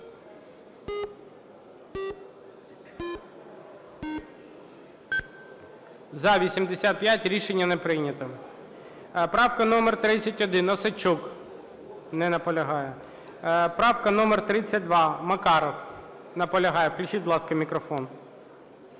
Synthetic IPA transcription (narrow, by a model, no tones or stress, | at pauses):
zɐʋʲisʲimd̪esʲat̪̚pjatʲɾʲiʃenʲːɐnɛpɾɪjnʲɐt̪ɔ | pɾɑwkɐnɔmɛrt̪ɾɪt͡sʲːɐtʲɔd̪ɪnɔsɐt͡ʃuk | nɛnɐpɔlʲɐɦɑjɛ | pɾɑwkɐnɔmɛrt̪ɾɪt͡sʲːɐt̚ʲd̪ʋɑmɐkɑɾɔw | nɐpɔlʲɐɦɑjɛwklʲʊt͡ʃiblˠɑskɐmʲikɾɔfɔn